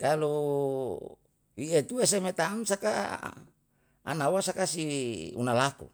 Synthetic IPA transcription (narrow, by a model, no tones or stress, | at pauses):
kalu | iet̪uesemet̪amsaka | a̰nawasakasiṵnalakṵ